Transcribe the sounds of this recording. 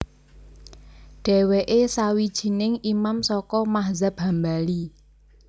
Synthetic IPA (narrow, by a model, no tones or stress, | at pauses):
ɖ̥ɛ̤weʔesawid̥ʒ̥i̤nɪŋimamsɔkɔmaɦzab̚ɦambali